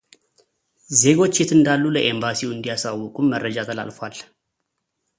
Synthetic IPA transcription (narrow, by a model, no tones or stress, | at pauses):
ze̞ɡo̞t͡ʃːjɛt̪ʰɨnd̪alːuləʔe̞mbasiwɨnd̪ijasawːɔkʼumːərːəd͡ʒat̪ʰəla̰lfal